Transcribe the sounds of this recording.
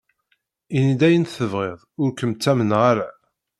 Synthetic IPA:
inid̪æjənθəvʁeðˤʊɾkəmt͡sːæmənʁaɾa

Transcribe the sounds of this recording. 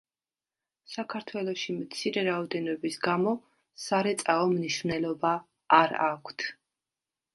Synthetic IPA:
sakʰaɾt̪ʰwɛlˠɔʃimt̪sʰiɾɛɾaɔd̪ɛnɔbisɡamɔ | saɾɛt̪sʼaɔmniʃvnɛlˠɔbaː | ɾakʷʰt̪ʰ

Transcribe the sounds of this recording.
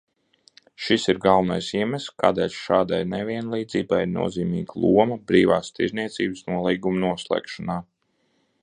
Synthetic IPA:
ʃisiɾɡalˠvnajsiɛmɛska̰ːd̪ɛlʲʃaːd̪ajnɛvʲiɛnlˠiːd̪ziːbajiɾnṵɔziːmḭːɡlˠuɔmɐbɾiːvaːst̪ḭɾzniɛt̪siːbsnuɔlˠiːɡumnuɔslˠɛ̰ːkʃɔnaː

